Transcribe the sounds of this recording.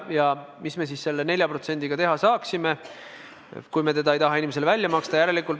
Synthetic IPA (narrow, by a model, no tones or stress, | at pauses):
jɑmisme̞sisːe̞lːene̞lʲjɑpro̞t̪se̞nd̪iɡ̥ɑt̪e̞ɦɑsɑːksime | kujme̞t̪e̞d̪ɑejt̪ɑɦɑinimeselvælʲːjɑmɑkst̪ɑjæɾe̞likːˑult̪